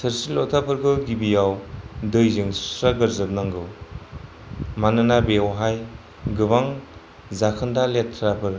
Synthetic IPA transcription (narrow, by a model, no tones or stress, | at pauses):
tʰɯɾsilɔtʰapʰɯɾɡɯɡibijawdɯjzɯŋsɾaɡɯɾzɯb̚naŋɡɯw | manɯnabeawɦaj | ɡɯβaŋ | zakʰɯndaletʰːɾapʰɯɾ